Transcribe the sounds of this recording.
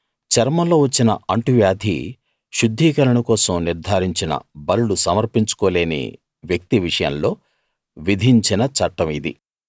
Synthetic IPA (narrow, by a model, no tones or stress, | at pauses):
t͡ʃɐɾmɐlo̞ːʋɐt͡ʃːinɐʔɐɳʈuʋjaːd̪ʱḭ | ʃud̪ʱːiːkɐɾɐɳukɔːsɐmniɾd̪ʱaːɾiɲt͡ʃinɐ̰bɐɾulusɐmɐɾpiɲt͡ʃu̥koːle̞ːnḭ | ʋjɐk̚t̪iʋiʂɐjɐ̰mlo̞ː | ʋid̪ʱiɲt͡ʃinɐt͡ʃɐʈːɐmid̪ḭ